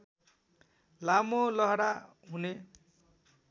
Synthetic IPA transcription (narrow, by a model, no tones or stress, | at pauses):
lamolʌɦɽa | ɦune